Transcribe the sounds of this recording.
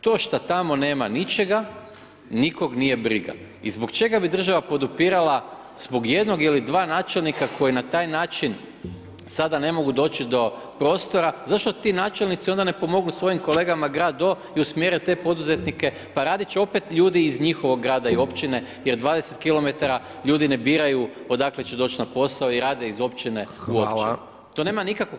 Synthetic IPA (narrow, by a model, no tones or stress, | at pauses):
t̪o̞ːʃt̪at̪amo̞ne̞ːmanit͡ʃe̞ɡa | niko̞ɡnije̞bɾiɡa̰izbokt͡ʃe̞ɡabid̪r̩ʒaʋapo̞d̪upiːɾalˠa | z̥bo̞ɡje̞d̪no̞ɡilid̪ʋaːnaːt͡ʃe̞lnikakʰo̞jinat̪aːjnaːt͡ʃin | sad̪ane̞mo̞ɡud̪o̞ːt͡ʃid̪o̞ | pɾo̞ːst̪o̞ɾazaʃt̪o̞t̪inaːt͡ʃelˠnit̪sio̞nd̪ane̞po̞mo̞ɡnusʋo̞jimko̞lˠe̞ɡamaɡɾaːd̪o̞ | iusmjeːɾɛt̪e̞ːpo̞d̪uze̞t̪nike̞ | paɾaːd̪it͡ʃeo̞pe̞t̪ʎuːd̪iːzɲixo̞ʋo̞ɡːɾaːd̪aio̞pt͡ʃine̞je̞ɾd̪ʋaːd̪eset̪kilˠo̞me̞t̪aɾa | ʎuːd̪ine̞biːɾajuo̞d̪aklet͡ʃed̪o̞ːt͡ʃnapo̞saoiɾaːd̪e̞izo̞pt͡ʃine̞uopt͡ʃḭ | t̪o̞ne̞ːmanikako